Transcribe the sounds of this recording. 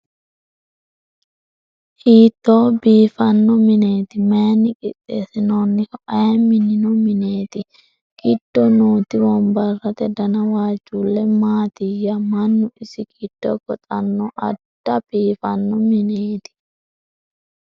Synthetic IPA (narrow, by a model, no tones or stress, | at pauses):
hiːt̪ːoːbiːfɐnːɔmɪneːt̪ɪmeːnːɪkʼɪ̰t̪ʼːeːsɪnonːɪkɔʔɐmɪnɪnɔmɪneːt̪ɪ | ɡ̥ɪd̪̥ːɔnoːt̪ɪwɔmbɐrːɐt̪ɛd̪ɐnɐwaːd͡ʒːuːlːɛmaːt̪ɪjɐmɐnːʊʔɪsɪkid̪̥ːɔ̰ɡɔt̪ʼɐnːɔʔɐ̰d̥ːɐb̥iːfɐnːɔmɪneːt̪ɪ̥